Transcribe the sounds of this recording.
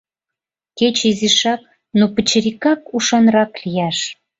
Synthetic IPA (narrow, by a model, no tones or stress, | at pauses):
ket͡ɕiziʃɑk̚ | nopət͡ɕə̆ɾikɑkuʃɑnɾɑklijæʃ